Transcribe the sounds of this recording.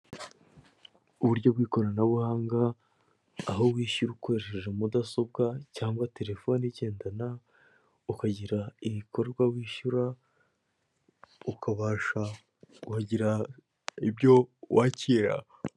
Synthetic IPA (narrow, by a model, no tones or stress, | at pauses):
uβuɾɟo̞bɡiːko̞ɾaanaβuhaːŋɡaː | ɦowiːʃuɾuko̞ɾeʃeʒe̞mudaso̞b̚ɡacaːŋɡwate̞ɾe̞fo̞niɟe̞ːndana | ukaɟiɾaiβiko̞ɾɡwawiːʃuɾa | ukʰaβaːʃa | ukaɟiɾa | ibɟo̞wʔaːciɾa̰